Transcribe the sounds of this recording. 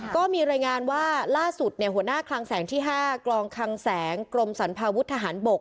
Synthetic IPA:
kɔː˥˩miː˧ɾaː˧jŋaː˧nwaː˥˩laː˥˩su˨˩t̪̚ni˥˩əɦu˩˦ənaː˥˩kʰlaː˧ŋsɛː˩˦ŋt̪ʰiː˥˩ɦaː˥˩klɔː˧ŋkʰa˧ŋsɛː˩˦ŋkɾo˧msa˩˦npʰaː˧wu˦˥t̪ʰːa˧ɦaː˩˦nbo˨˩k̚

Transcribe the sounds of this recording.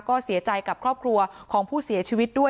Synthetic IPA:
kɔː˥˩si˨˩˦ɐt͡ɕa˧jka˨˩p̚kʰɾɔː˥˩p̚kʰɾu˧ɐkʰɔː˩˦ŋpʰuː˥˩si˨˩˦ɐt͡ɕʰiː˧wi˦˥t̪̚du˥˩ə

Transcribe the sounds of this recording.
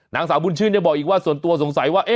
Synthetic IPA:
na̰ː˨˦ŋsaː˨˦ɓu˧nt͡ɕʰɨ˧˩nɲa˧˩ɓɔː˨˩ʔi˨˩kwaː˧˩su˨˦ənt̪u˧əso˨˦ŋsa˨˦jwaː˧ʔe˦

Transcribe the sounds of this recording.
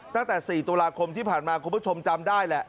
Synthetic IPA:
t̪a˥˩ŋt̪ɛː˨˩siː˨˩t̪uː˧laː˧kʰo˧mt̪ʰiː˥˩pʰaː˨˩nmaː˧kʰu˧mpʰu˥˩t͡ɕʰo˧mt͡ɕa˧mdaː˥˩jlɛ˨˩ʔ

